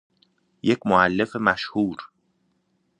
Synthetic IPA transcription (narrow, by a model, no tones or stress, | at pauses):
je̞cʰmoælːe̞femæʃhuːɾ